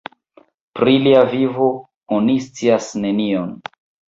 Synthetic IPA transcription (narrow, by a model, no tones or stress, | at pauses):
pɾiliavivo̞ | onist͡siasne̞nio̞n